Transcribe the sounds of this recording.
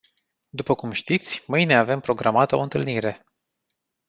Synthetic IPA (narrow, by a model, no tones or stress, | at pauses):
d̪upəkumʃt̪it̪sʲmɨjne̞ave̞mpɾo̞ɡɾʔamat̪oɨnt̪ɨlniɾe̞